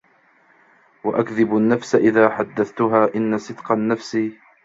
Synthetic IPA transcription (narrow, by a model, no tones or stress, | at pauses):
waʔakðɪbanːafsaʔɪðaːħad̪ːaθt̪ʊɦaːʔɪnːasɨd̪qɑnːafsi